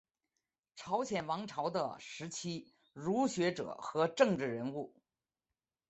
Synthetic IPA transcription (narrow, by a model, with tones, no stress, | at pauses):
ʈ͡ʂʰɑ˧˥ʊɕjɛ˨˩nwɑ˧˥ŋʈ͡ʂʰɑ˧˥ʊd̪ə̰˧ʂɻ̩˧˥t͡ɕʰi˥ | ɻu˧˥ɕɥɛ˧˥ʈ͡ʂɤ̰˨˩˦xɤ˧˥ʈ͡ʂɤ˥˧ŋʈ͡ʂɻ̩˥˩ɻə˧˥nu˥˩